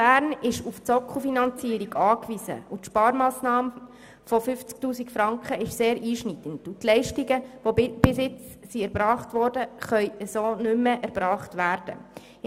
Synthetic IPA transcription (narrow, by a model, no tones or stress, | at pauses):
bæːɾnɪʃuft͡sɔkχofinɑnt͡siːəɾiɡɑːkʋizə̰utʃpɑːɾmɑːsnɑːm | fɔfʏft͡sk̚tuːsikfɾɑŋkχəɪʃseːɾiːʃnidəntutlɛɪʃtiɡəʋob̥ɪsɪt͡ssiæɾb̥ɾɑːχtʋɔɾdəχœʏəsoːnʉməʔæɾbɾɑːχtʋæːɾd̥ə̰